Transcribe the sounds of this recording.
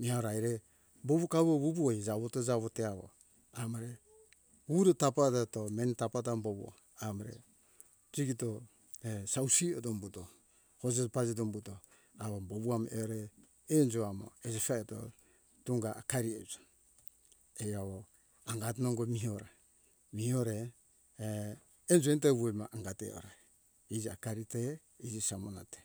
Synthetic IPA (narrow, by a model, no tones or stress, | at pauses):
mihaɾajɾe | boβukaβoβuβuoid͡ʒaβotod͡ʒaβoteaβo̰ | amaɾe | uɾetapatatomentapatamboβuo̰ | amoɾḛ | d͡ʒiɡito | esawsiodombuto | hod͡ʒepad͡ʒidombuto | aβoboβuameɾeː | nd͡ʒoamo̰ezesaeto̰ | tuŋɡaːkaɾiezḁ | ejaβo | aŋɡat̬noŋɡomioɾa | mioɾe | nd͡ʒoenteβujmaʔaŋɡatḛo̰ɾa | id͡ʒiakaɾite | id͡ʒisamonate